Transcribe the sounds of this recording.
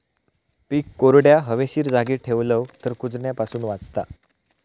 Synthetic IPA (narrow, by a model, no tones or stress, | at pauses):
piːkːoɾɽjaɦəʋeɕiːɾd͡zaɡiːʈʰeʋləʋt̪əɾkud͡zɳjapasuːnʋat͡st̪a̰